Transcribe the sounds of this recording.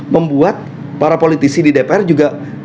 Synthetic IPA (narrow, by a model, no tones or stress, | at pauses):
məmbuat̪̚ | paɾapolit̪isididepeɛrd͡ʒuɡa